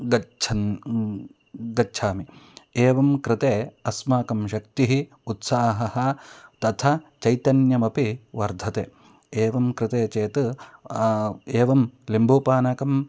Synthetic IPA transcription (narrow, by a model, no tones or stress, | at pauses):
ɡɐt͡ʃʰɐn | ɡɐt͡ʃʰaːmieːʋɐmkɾɪt̪eːɐsmaːkɐmʃɐkt̪iɦi | ut̪saːɦɐhɐ̆t̪ɐt̪ʰɐt͡ʃɐjt̪ɐnjɐmɐpiʋɐɾd̪ʱɐt̪eː | eːʋɐmkɾɪt̪eːt͡ʃeːt̪ɨ | eːʋɐmlimbʱoːpaːnaːkɐm